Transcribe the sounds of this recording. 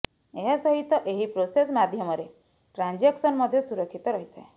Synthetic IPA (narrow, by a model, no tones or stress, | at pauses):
eɦasɔɦit̪ɔʔeɦipɾosesmad̪ʱjɔmɔɾe | ʈɾand͡ʒeksɔnmɔd̪ʱjɔsuɾɔkʰːit̪ɔɾɔɦit̪ʰae